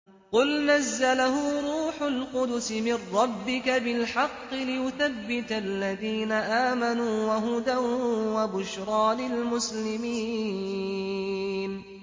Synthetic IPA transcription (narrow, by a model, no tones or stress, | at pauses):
qʊlnazːalahʊɾˤuːħʊlqʊd̪ʊsɪmɪrːɑbːɪkabɪlħɑqːɨlɪjʊθabːɪt̪alːaðiːnaʔaːmanuːwaɦʊd̪awwabʊʃɾˤɑːlɪlmʊslɪmi | n